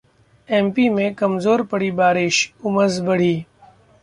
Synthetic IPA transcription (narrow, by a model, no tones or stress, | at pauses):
ɛ̃ːmpimẽkɐmzoːɾpɐɽibaːɾɪʃʊməzbɐɽ̤iː